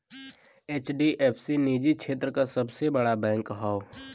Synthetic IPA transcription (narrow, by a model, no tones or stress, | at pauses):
eːt͡ʃɖiʔɛːpʰsiniːd͡ʒikʃʰeːt̪̬ɾəkasɐbsebəɽabɛ̃ːŋkɦaːo